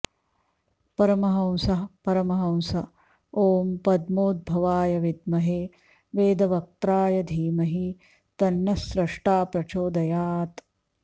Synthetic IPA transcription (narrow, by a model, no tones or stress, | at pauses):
pɐɾɐmɐɦɐw̃sɐɦɐpɐɾɐmɐɦɐw̃sɐ | oːmpɐd̪moːd̪̚bʱɐʋaːjɐʋid̪mɐɦeː | ʋeːd̪ɐʋɐk̚t̪ɾaːjɐd̪ʱiːmɐɦi | t̪ɐnjɐsɾɐʂʈaːpɾɐt͡ʃoːd̪ɐjaːt̪